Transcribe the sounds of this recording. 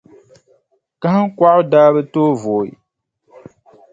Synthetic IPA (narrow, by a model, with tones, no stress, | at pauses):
ka˦hɨ˦ŋ̩˦kʷa˦ʔʊ˦daː˦bɨ˦toː˦vo˨ḭ˨